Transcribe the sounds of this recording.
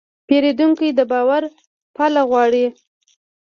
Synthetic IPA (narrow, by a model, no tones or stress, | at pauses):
peɾed̪uŋkijd̪əbɑwaɾ | palaɣwɑɽi